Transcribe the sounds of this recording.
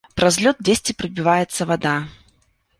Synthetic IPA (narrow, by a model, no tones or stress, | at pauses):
pɾɐzʲlʲɔt̪̚dʲesʲtʲɪpɾɐbʲɪvajɛt̪sːɐvad̪a